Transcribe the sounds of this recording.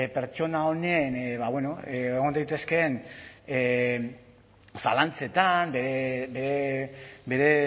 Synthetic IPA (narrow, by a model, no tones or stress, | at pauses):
pe̞ɾt͡ʃo̞nao̞nenβaweno̞eeɣ̞o̞nd̪ajt̪e̞ske̞n | sa̰lant͡se̞t̪ambeɾebeɾebe̞ɾe̞